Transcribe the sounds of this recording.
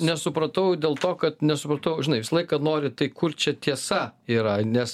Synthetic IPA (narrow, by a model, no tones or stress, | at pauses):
nʲɛsʊpɾɐt̪ɐʊd̪ʲeːlˠt̪oːkɐt̪nʲɛsʊpɾɐt̪ɐʊʒʲɪnɐɪʋʲɪsɐlˠɐɪkɐnoːɾʲɪt̪ɐɪkʊrt͡ʃʲɛt̪ʲiɛsɐiːɾɐnʲɛs